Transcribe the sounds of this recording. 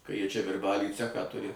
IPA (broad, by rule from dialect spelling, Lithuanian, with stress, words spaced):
kɐ ˈjiɛ ˈt͡ʃʲɛ ʋʲɪrˈbɑːlʲiː ˈt͡sʲæːxɑː ˈtʊrʲɪ